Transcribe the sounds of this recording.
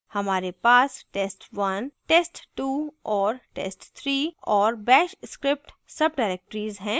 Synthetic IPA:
hɐmaːɾepaːsʈeːsʈʋɐnʈeːsʈʈuːɔːɾʈḛːsʈt̪ʰɾiːɔːɾbɛːʃskɾɪp̚ʈ | sɐb̚ɖaːɪɾeːk̚ʈəɾiːzɦɛ̃ː

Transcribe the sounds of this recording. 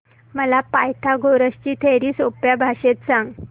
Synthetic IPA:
məlapajt̪ʰaɡʱoɾəst͡ɕiːt̪ʰeɾiːsopjabʱaɕet̪̚sãŋɡ

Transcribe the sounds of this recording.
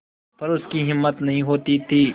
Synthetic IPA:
pɐɾʊskiɦɪmːət̪nɐɦĩɦoːt̪it̪ʰiː

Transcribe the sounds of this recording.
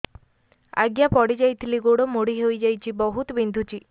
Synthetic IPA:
a̰ɡjapɔɽid͡ʒajt̪ʰiliɡoɽɔmoɽiɦejd͡ʒajt͡ʃʰibɔɦut̪ɔbind̪ʱut͡ʃi

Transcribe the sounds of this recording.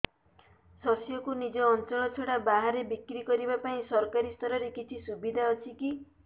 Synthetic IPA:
sɔsijɔkunid͡ʒɔːnt͡ʃɔɭɔt͡ʃʰoɽabaɦaɾebikɾikɔɾibapaĩsɔɾɔkaɾist̪ʰɔɾɔɾekit͡ʃʰisubid̪ʱaɔt͡ʃʰiki

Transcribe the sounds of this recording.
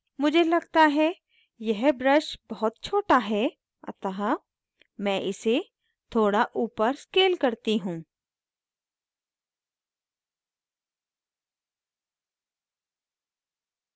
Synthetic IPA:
mʊd͡ʒʱelɐɡt̪aɦɛ | jɛɦbɾəʃbɐɦʊt̪̚t͡ʃʰoːʈaɦɛ | ɐ̰t̪aɦa | mɛ̃ʔɪse | t̪ʰoːɽaʔuːpəɾskeːlkɐɾt̪iɦũː

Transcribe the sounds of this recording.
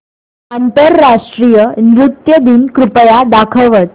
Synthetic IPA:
ant̪əɾːaʂʈɾijənɾut̪jəd̪inkɾupəjad̪akʰəʋət̪

